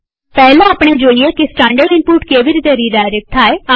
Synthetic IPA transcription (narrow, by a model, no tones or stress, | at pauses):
pɛːlãːaːpɳ̃eːd͡ʒoːieːkɪsʈɛ̃ːɳɖəɖɪ̃npuːʈkeːʋɪɾit̪eːɾiːɖaːɪɾeːk̚ʈ̪aːea